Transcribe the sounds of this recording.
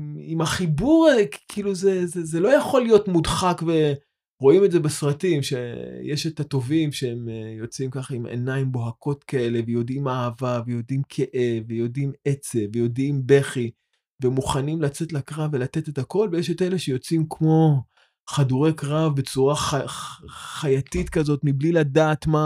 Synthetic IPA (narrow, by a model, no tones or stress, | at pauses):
imaχibuʁki̥kʰiːluzezezelo̞jaχo̞lijo̞tmudχakve̞ | ʁo̞ime̞dze̞besʁatimʃejeʃetato̞vimʃeemjo̞t͡simkaχaimʔḛnaimbo̞ɦakʰo̞tkae̞le̞vejo̞dimahavave̞jo̞dimkʰeʔevejo̞dimet͡sevejo̞dimbe̞χi | vemuχanimlat͡se̞tlakʁavːe̞late̞tetako̞lvejeʃete̞le̞ʃe̞jo̞t͡simkmo̞ | χaduʁe̞kʁavbe̞t͡suʁaχa | χajatitkazo̞tmibliladaːt̪ma